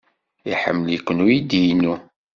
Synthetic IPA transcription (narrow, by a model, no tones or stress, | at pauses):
iħə̰mːəlikʷːənujid̪ijnːu